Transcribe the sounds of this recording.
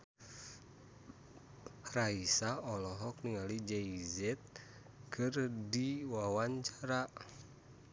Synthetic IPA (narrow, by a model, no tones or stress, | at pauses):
raisaɔlɔɦɔk̚niŋalid͡ʒɛizɛt̪̚ | kʰɨrdiwawaɲt͡ʃaɾa